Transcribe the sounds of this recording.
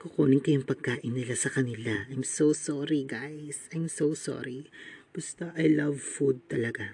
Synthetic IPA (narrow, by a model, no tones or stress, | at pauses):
kʊkoːnɪŋkɐjʊŋpɐɡ̚kaːʔɪnːɪlasɐkɐnɪlaʔajmsowsɔɹiɡajsɐjmsosɔ̰ɹib̥ʊst̪oʔɐjlɐvfud̪̚t̪ɐlɐɡa